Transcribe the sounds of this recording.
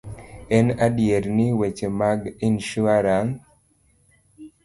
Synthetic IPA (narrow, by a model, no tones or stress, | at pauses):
ɛnadjeɾniwet͡ʃemaɡinʃuaɾaŋ